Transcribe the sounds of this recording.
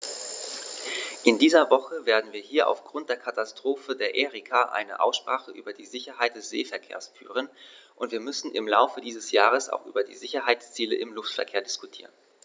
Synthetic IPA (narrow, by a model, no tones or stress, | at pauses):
ʔɪndiːzɐvɔχəveːɐdn̩viːɐɦiːɐʔa̰ʊfɡ̥ʁʊnt̚d̥eːɐkʰatastʁ̥oːfədeːɐʔeːʁikʰaʔa̰ɪnə̰ʔa̰ʊsʃpʁ̥aːχəʔy̰ːbɐdiːzɪçɐɦaɪtd̥ɛsz̥ḛːfɛɐkʰḛːɐsfy̰ːʁ̞ənʔʊntv̥iːɐmʏsn̩ʔɪ̰mla̰ʊfədiːzəsjaːʁ̞əsa̰ʊxʔy̰ːbɐdḭːzɪçɐɦaɪt͡st͡siːlə̰ʔɪmlʊftfɛɐkʰeːɐdɪskutʰiːʁən